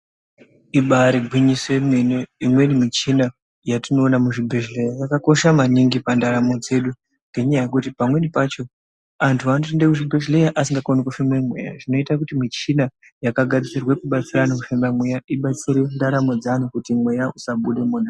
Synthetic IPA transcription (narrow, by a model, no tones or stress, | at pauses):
iɓaɾiɡʱwiɲiswe̞me̞neimwe̞nimit͡ʃina | jatino̞ːnamuʐibʱeʒlejajakako̞ʃamaniŋɡipandaɾamo̞d͡ze̞ɗu | ŋɡe̞ɲajajekutipamwe̞nipat͡ʃo̞ | antʰuanoindekuʐibʱeʒle̞jaʔasiŋɡakonikufimemwḛja̰ʐino̞itak̬utimit͡ʃina | jakaɡʱad͡zit͡sirwekuɓat͡siranomufimbamwejaiɓat͡siɾendaɾamo̞d͡zan̤ukutimwejausaɓuɗe̞muːna